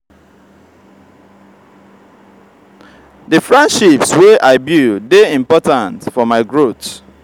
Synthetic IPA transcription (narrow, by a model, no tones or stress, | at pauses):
dəfɹɛ̃ndʃipsweʔaɪbjudeĩmpɔtãntfɔmaɪɡɹot